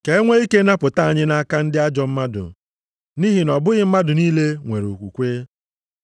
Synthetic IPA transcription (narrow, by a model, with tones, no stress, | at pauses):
ke˨e˦ŋʷe˦i˦ke˦na˦pʊ˨ta˦a˨ɲɪ˦na˦ka˦n̩˦dɪ˦a˦d͡ʒɔ˨m̩˦ma˦dʊ̰˨ | ni˦ɦi˨nɔ˨bʊ˦ɣɪ˦m̩˦ma˦dʊ˨niː˦le˦ŋʷe˨ɾo̰˨kʷṵ˨kʷe˦